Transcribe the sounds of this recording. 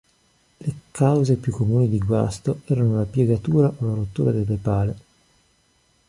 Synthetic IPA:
lekawzepjukːomuːnid̪iɡwa̰st̪oɛːɾanolapjeɡat̪uːɾaʔolaɾot̪ːuːɾad̪elːepaːle

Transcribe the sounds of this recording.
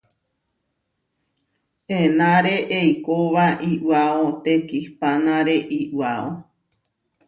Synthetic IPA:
ẽnãɾeʔejkoʋaʔiʔwaot̪ekihpanãɾeʔiʔwao

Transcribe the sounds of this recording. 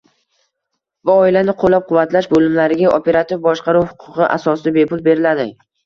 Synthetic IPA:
vaɒɪlanɪqʰolːap̚qʰʊvːat̪laʃbolɪmlaɾɪɡʲaʔopʰe̞ɾat̪ʰɪvbɒʃqʰɑɾuwhʊqʰʊqɨʔa̰sɒsɪd̪abe̞pʊlˠbe̞ɾɪlad̪ɪ

